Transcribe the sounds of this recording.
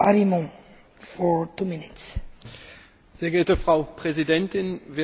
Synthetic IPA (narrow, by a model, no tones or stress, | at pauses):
aɾimũn | fɔɹt̪uminit̪s | z̥eːɐɡɛɐtəfʁ̥aʊpʁ̥ɛzidɛntɪnve